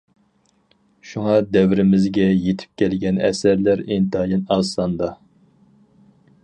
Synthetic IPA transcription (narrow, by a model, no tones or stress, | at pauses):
ʃuŋɑd̪ɛwɾɪmɪzɡʲɛjet̪ʰɪ̥p̚kʲʰɛlɡʲɛnɛ̰sæɾlæɾent̪ɑjinɑsɑnd̪ɑ